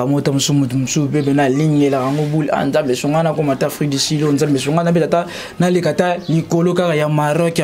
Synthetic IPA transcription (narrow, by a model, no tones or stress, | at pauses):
amotamusumutumusupep̬enaliŋɡelakaŋɡobulia̰nzambesoŋɡanakomatafʁidisilonzambes̬oŋɡanap̬etata | nalekatalikolokakajamaɾɔk